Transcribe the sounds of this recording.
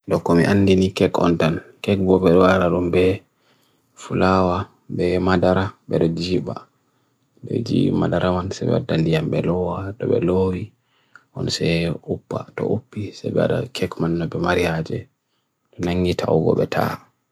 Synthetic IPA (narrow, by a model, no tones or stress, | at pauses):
ɗɔkɔmiʔanːdinikɛkɔ̰ntankɛk̚bɔɓɛɗɔwaɾaɗumbɛ | fulawa | bɛmadaɾabɛɗɔd͡ʒiːba | bɛ̰d͡ʒḭmadaɾʔamansabɛ̰wa̰dːandijambɛlɔwaɗɔɓɛloːwi | ʔɔnsɛupːatɔ̰ʔupːisɛbɛa̰ɗa̰kʰɛkmanːɔbɛmaɾijad͡ʒɛ̰ | ɗɔnaŋːɡitʰa̰wɡɔ̰ɓɛtʰa̰